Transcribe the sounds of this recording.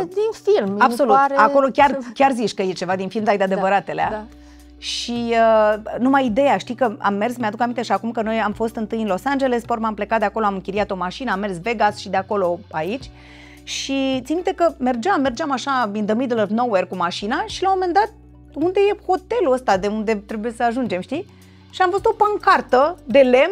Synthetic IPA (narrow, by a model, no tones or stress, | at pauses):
d̪infilmabso̞lut̪ao̞lo̞kʲarkʲarzit͡ʃʲkəje̞t͡ʃe̞vad̪infilmd̪ajd̪ead̪evəɾat̪e̞lea | ʃiənumajid̪e̞jaʃt̪ikəa̰mːe̞rsmead̪ukamint̪e̞ʃiakumkəno̞jamfo̞st̪ɨnt̪ɨjɨnlo̞sand͡ʒe̞le̞spoɾmample̞kat̪d̪eako̞loamɨŋkʲiɾiat̪o̞maʃinəamːe̞rsve̞ɡasʃid̪eako̞lo̞ait͡ʃʲ | ʃit̪simit̪ekəme̞rd͡ʒamːe̞rd͡ʒamaʃaind̪əmid̪lənowerkumaʃinaʃilamo̞mend̪at̪̚ | und̪e̞je̞ho̞t̪e̞luəst̪ad̪e̞und̪e̞t̪ɾe̞buje̞səaʒund͡ʒe̞mʃt̪i | ʃiamfost̪o̞paŋkart̪əd̪e̞le̞m